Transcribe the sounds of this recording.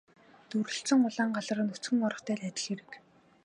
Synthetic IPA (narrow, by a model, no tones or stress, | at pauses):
t̪uɾɵ̆ɬt͡sə̆ŋʊɮaːŋɢaɮə̆rə̆nut͡sɡɘ̆ŋɔɾɞ̆χt̪ʰæːɮæt͡ɕ̪ʲɪ̆ɮeɾɘ̆k